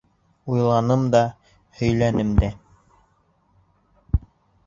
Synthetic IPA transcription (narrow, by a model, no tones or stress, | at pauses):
ujlˠɑnɤmd̪ɑ | hɵ̆jlænɘmd̪æ